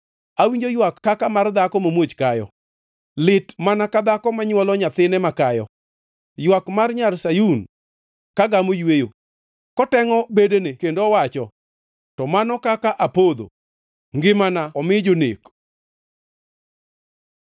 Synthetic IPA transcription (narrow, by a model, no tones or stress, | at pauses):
awiɲd͡ʒojwakːakamard̪akɔmamwot͡ʃkajɔ̰ | lɪtmanakad̪akɔmaɲwɔlɔɲat̪ɪnɛmakajɔ | jwakmarɲarsajun | kaɡamojwejo | kɔtɛŋɔbedenekendoɔwat͡ʃɔ | tɔmanɔkakaʔapod̪o̰ | ŋɡɪmanaɔmɪd͡ʒonḛk